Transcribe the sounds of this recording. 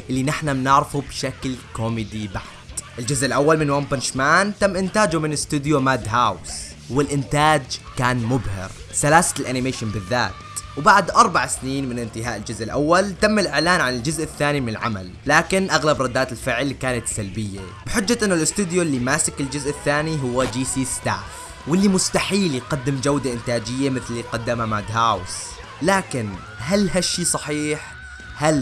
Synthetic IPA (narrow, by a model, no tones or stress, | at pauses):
ʔɪlːinɪħnamnɪʕɾfubʃaklkoːmɪd̪ibaʕ | d̪̥ʔɪld͡ʒʊzʔɪlʔawːalmɪnwoːmbɪnʃmaːnt̪amːʔɪnt̪aːd͡ʒumɪnɪst̪ud̪jumaːd̪ɦaːws | wɪlʔɪnt̪aːd͡ʒkaːnmʊbhɪ̰ɾ | salaːsḁlʔanɪmeːʃɪnbɪðːa̰ːt̪wbaʕd̪ʔɑɾˤbaʕsniːnmɪnʔɪnt̪ɪɦaːʔɪld͡ʒʊzʔɪlʔawːalt̪amːɪlʔɪʕlaːnʕanɪld͡ʒʊzʔɪθːaːnimɪnɪlʕa̰ma̰lːaːkɪnʔaɣlabɾˤɑd̪ːaːt̪ɪlfɪʕlkaːnat̪salbɪjːa̰ | b̥ɪħɪd͡ʒːaʔɪnːʊlʔɪst̪uːd̪jolːimaːsɪkɪld͡ʒʊzʔɪθːaːniɦʊwːad͡ʒiːsiːst̪a̰ː | wɪlːimʊst̪aħiːljqɑd̪ːɪmd͡ʒawd̪aʔɪnt̪aːd͡ʒɪjːamɪθliqɑd̪ːamamad̪ɦaws | laːkɪn | ɦalhaʃːiːsˤɑħiːħ | hal